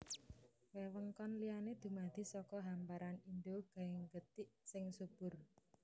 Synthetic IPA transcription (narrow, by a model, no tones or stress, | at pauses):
wewəŋkɔnlianed̪̥ṳmad̪̥i̤sɔkɔɦampaɾanind̪oɡ̥a̤ɪŋɡət̪iʔsɪŋsub̥ʊr